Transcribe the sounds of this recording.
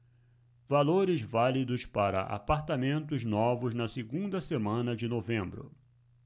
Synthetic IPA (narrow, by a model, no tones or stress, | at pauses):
valoɾɪzvalid̪ʊspaɾɐ̰ʔa̰paɾt̪amẽnt̪ʊznɔvʊznɐsɪɡũd̪ɐsemɐ̃nɐd͡ʒɪnovẽmbɾʊ̰